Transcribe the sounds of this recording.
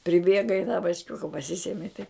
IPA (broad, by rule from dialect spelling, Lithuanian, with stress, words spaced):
pʲrʲɪˈbʲeːɡɐ ɪ tɐ bɐt͡ʃʲˈkʲʊkɐ pɐˈsʲɪsʲɛmʲɪ tɐɪ